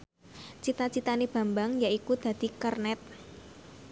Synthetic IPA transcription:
t͡ʃit̪at͡ʃit̪anib̥a̤mbaŋjaikud̪̥ä̤d̪̥i̤kərnɛt̪̚

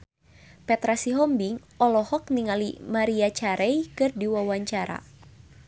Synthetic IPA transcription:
pɛt̪ɾasiɦɔmbiŋ | ɔlɔhɔk̚niŋalimaɾiat͡ʃaɾɛjkɨrdiwawaɲt͡ʃaɾa̰

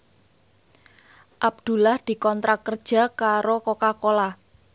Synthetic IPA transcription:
ʔab̚d̪̥ṳlahd̪̥i̤kɔnt̪ɾakərd̥ʒ̥a̤kaɾokokakola

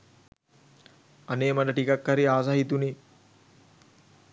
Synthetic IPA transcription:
aneːmɐɖɐʈikakːaɾiaːsaɦit̪uni

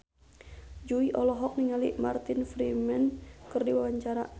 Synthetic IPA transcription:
d͡ʒuiʔɔlɔɦɔk̚niŋalima̰rt̪infɾimɛnkɨrdiwawaɲt͡ʃaɾa̰

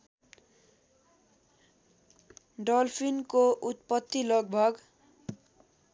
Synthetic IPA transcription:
ɖʌlpʰinkoʔut̪̚pʌt̪ːilʌɡ̚bʱʌɡ

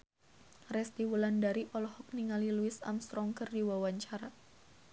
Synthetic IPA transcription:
rɛst̪iwulandaɾiʔɔlɔhɔk̚niŋaliluɪsa̰mst̪ɾɔŋkərdiwawaɲt͡ʃaɾa

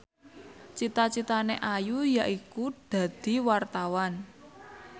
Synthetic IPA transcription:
t͡ʃit̪at͡ʃit̪aneʔajujaʔikud̪̥ä̤d̪̥i̤wart̪awan

